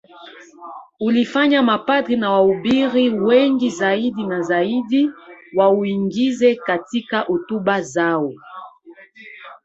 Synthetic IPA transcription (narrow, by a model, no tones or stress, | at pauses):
ulifaɲamapadʁinawaubiʁiweŋɡizaidinazaidiwawiŋɡizɛkatikaʔotubazawo